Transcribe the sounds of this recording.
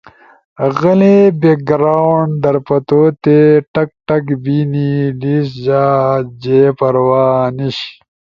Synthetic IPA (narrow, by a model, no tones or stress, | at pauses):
ɣɐlebek̚ɡɾawɳɖd̪ɐɾpɐt̪oːt̪eʈɐk̚ʈɐkbiːniliːs̬ʑaːd͡ʑepɐɾwaːniɕ